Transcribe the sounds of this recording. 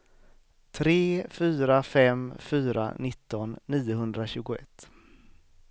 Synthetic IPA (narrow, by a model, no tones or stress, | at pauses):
t̪ʰɾeːfyːɾafɛmfyːɾa̰nɪt̪ːɔnːiːʊɦɵnd̪ɾaɕʉ̟ːɡʊɛ̰t̪ː